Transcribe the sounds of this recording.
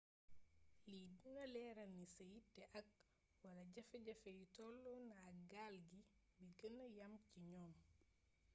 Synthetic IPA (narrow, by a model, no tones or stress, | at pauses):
lidunɐlɛːɾɐnːisɐjitːɛʔɐk̚ | wɐlɐɟɐfɛɟɐfɛjitɔlːɔnaɡaːlɡi | biɡənːɐjɐmciɲɔːm